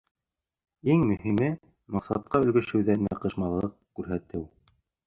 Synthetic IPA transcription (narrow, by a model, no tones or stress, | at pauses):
iŋmɵ̆ɦimɘ | mɑqsɑ̰t̪̚qɑɵ̆lɡɵ̆ʃɘ̆wðænæqɤ̆ʃmɑlˠɤqkʉɾɦæt̪ɘw